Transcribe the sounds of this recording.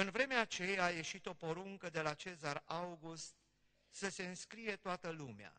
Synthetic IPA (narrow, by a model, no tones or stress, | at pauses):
ɨnvɾe̞meat͡ʃe̞jaje̞ʃit̪o̞po̞ɾuŋkəd̪e̞lat͡ʃe̞zarawɡust̪̚ | səse̞ɨnskɾije̞t̪oat̪əlumea̰